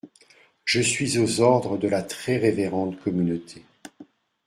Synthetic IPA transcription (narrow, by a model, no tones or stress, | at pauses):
ʒ̥əsɥizozɔʁd̪ʁəd̪əlat̪χɛʁeveʁɑ̃t̪kɔmynot̪ʰe